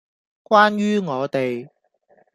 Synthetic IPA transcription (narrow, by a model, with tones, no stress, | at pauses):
kʷwaː˥nɥyː˥ŋɔː˨˧t̪e˨j